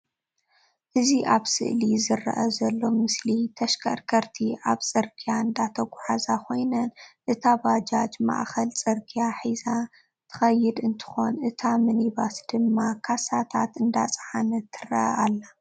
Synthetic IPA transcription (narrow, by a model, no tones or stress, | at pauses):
ʔɨziʔaβsɨ̰ʔlizɨrɐ̰ʔɐzɐlːo̞mɨslit̪ʰɐʃkʰʼɐɾkʰɐɾt̪ʰiʔaβt͡sʼɨɾɡʰijaɨnd̪at̪ʰɐɡʷʊħazakʰo̞jnɐnʔɨt̪ʰabad͡ʒad͡ʒma̰ʔxɐlt͡sʼɨɾɡʰijaħiza | t̪ʰɨ̥xɐjːɨd̪ɨnt̪ʰɨ̥xo̞nʔɨt̪ʰamɨnibasd̪̥ɨmːakʰasat̪ʰa̰t̪ɨnd̪a̰t͡sʼʕanɐt̪ʰɨrɐ̰ʔɐʔalːa